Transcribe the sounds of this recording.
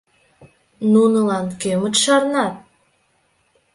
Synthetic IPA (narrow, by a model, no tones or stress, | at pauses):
nunəlɑnkømət̪ʃɑrnɑt̪̚